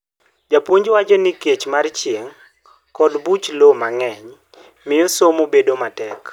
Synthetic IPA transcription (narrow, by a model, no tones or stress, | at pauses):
d͡ʒapwoɲd͡ʒwat͡ʃɔniket͡ʃmart͡ʃjeŋ | kɔdbut͡ʃlomaŋɛɲ | mɪosomobedomatɛk